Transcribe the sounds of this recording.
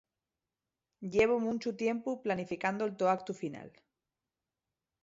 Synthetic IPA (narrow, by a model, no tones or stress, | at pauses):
ɟ͡ʝe̞βomũnt͡ʃut̪je̞mpuplanifikand̪oelt̪oak̚t̪ufina̰l